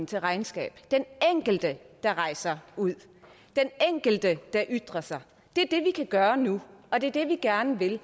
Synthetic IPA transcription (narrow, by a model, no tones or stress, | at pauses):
n̩t͡sʰe̝lʁɑ̈ɪnsɡ̥ɛ̰ːb̥d̥eneŋ̰ɡ̥l̩d̥əd̥ɑ̈ʁɑ̈ɪ̰sɐuð̰ˠ | d̥eneŋ̰ɡ̥l̩d̥əd̥ɑ̈ʔyd̥ʁɐsɑ̈ɪ | d̥e̝æɐd̥e̝ʋikʰæɡ̥ɶːɐnuɒ̽d̥e̝æɐd̥e̝ʋiɡ̥æɐnəʋe̝l